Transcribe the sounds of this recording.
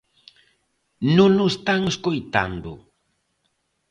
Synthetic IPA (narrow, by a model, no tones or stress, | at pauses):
nʊnʊst̪aŋʊskojt̪a̰nd̪o̰